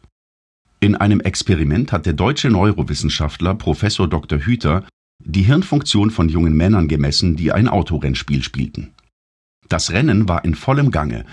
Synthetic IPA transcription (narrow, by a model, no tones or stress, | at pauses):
ʔɪnʔa̰ɪnəmʔɛkspeʁ̞imɛnthat̚d̥eːɐdɔʏt͡ʃənɔʏʁovɪsn̩ʃaftlɐpʁ̥ofɛsoːɐdɔktɐɦyːtʰɐ | diːɦɪɐnfʊŋk̚t͡sjoːnfɔnjʊŋənmɛnɐnɡəmɛsn̩diːʔa̰ɪnʔa̰ʊtʰoʁɛnʃpḭːlʃpḭːltn̩ | d̥asʁɛnənvaːɐʔɪnfɔləmɡaŋə̰